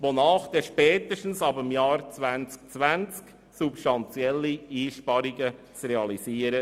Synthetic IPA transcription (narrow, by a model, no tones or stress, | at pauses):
ʋonɑːχd̥̪ɛʃpɛːt̪əʃtn̩sɑbəmjɑːɾt͡svænt͡sk̚t͡sʋænt͡sk | supʃtɑnt͡sjɛlːiiːʃpɑɾiɡə | t͡sreɑlisiːəɾə